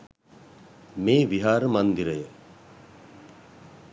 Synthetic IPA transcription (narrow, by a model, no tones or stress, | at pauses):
meːʋiɦaːɾəmand̪iɾəjə